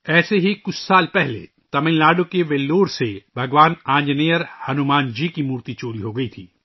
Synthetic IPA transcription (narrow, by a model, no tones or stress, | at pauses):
ɛːseɦikʊt͡ʃʰsaːlpɛɦlḛ | t̪ɐmɪ̃llaːɖõkeʋeːlːoːɾsebʱɐɡʋaːnãːd͡ʒnijəɾhɐnʊmaːnd͡ʒiːkimuːɾt̪it͡ʃoːɾiɦoɡɐit̪ʰiː